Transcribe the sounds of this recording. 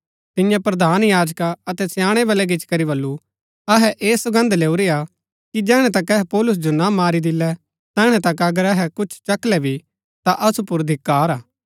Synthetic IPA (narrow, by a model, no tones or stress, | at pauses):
t̪ɪjãpɾɐd̪ʱaːnjaːd͡ʒkaɐt̪ɛsjãːɽ̃ebɐlɛɡɪt͡ʃkɐɾiβɐlːu | ɐɦɛʔeːsɐɡə̃nd̪leːuɾea | kid͡ʒɛːɽ̃ɛ̃t̪ɐkɛɦɛpɔːlʊs̬d͡ʒonamaːɾid̪ɪlːɛ | t̪ɛːɽ̃ɛt̪ɐkɐɡəɾɐɦɛkʊt͡ʃʰt͡ʃɐklɛbʱi | t̪aʔɐsupʊɾd̪ʱɪkːaːɾaː